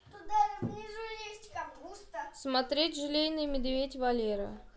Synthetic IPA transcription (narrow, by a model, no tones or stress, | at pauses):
t̪ʊd̪anʲɪʐɨlʲesʲtʲkaust̪əsmɐt̪ɾʲetʲʐɨlʲejnɨjmʲɪd̪vʲetʲvɐlʲeɾə̰